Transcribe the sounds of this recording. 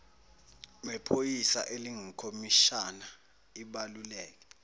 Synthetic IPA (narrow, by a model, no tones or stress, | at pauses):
mɛpʰojisa̰ʔeliŋikʰomiʃana | iɓalulɛːk̬ɛ̥